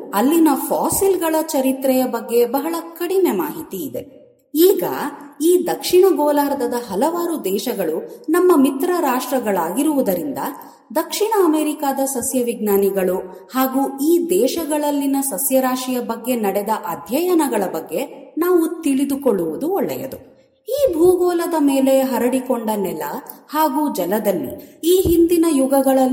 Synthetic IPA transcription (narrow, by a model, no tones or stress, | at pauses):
ɐlːinɐpʰaːsilɡɐɭɐt͡ʃɐɾit̪ɾɛjɐbɐɡːe̞bɐɦɐɭɐkɐɽine̞maːɦit̪iːd̪e̞ | iːɡɐ̰iːd̪ɐkʂiɳɐɡoːlaːɾd̪ɐd̪ɐɦɐlɐʋaːɾud̪ɛːʃɐɡɐɭunɐmːɐmit̪ɾɐɾaːʂʈɾɐɡɐɭaːɡiɾuʋud̪ɐɾind̪ɐ | d̪ɐkʂiɳɐːmeːɾikaːd̪ɐsɐsjɐʋiɡ̚naːniɡɐɭu | haːɡuːiːd̪ɛːʃɐɡɐɭɐlːinɐsɐsjɐɾaːʂijɐbɐɡːe̞nɐɽɛd̪ɐʔɐd̪ʱjɐjɐnɐɡɐɭɐbɐɡːe̞naːʋut̪iɭid̪ukoɭːuʋud̪uɔɭːɛ̰jɐ̰d̪u | iːbʱuːɡɔːlɐd̪ɐmeːle̞ɦɐɾɐɽikoɳɖɐnɛlɐ̰haːɡuːd͡ʒɐlɐd̪ɐlːḭiːɦind̪inɐjuɡɐɡɐɭɐ